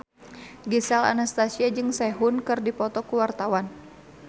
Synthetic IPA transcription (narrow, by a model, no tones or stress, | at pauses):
ɡisala̰nast̪asiad͡ʒɨŋsɛɦunkɨrdipɔt̪ɔkuwart̪awan